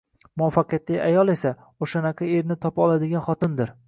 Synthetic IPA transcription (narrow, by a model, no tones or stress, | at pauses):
mʊafːaqɨjat̪lɪjajɒlˠe̞sa | oʃanaqʰɑeɾnɪt̪ʰɒpɒlˠad̪ɪɡʲanχɒt̪ɪnd̪ɪɾ